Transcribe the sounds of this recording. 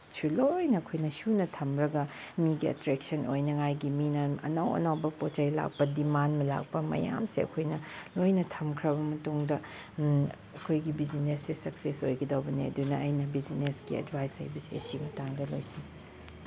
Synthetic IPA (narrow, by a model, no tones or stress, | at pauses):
sʰulojnɐɐkʰojnɐsunɐtʰɐmɾɐɡɐmiɡiɐ̰tɾek̚sɐnʔojnɐŋajɡiminɐɐ̰nɐwɐ̰nɐwbɐpot͡ʃɐjla̰k̚pɐdimanmɐla̰k̚pɐmɐ̰ja̰msḛɐ̰kʰojnɐlojnɐtʰɐmkʰɾɐbɐmɐtuŋdɐ | ɐkʰojɡibizinesːesɐksesojɡɐdɐwbɐniɐ̰dunɐɐjnɐbizinesɡiɐ̰dbʱajsa̰jbɐsiɐ̰simɐtaŋdɐlojsi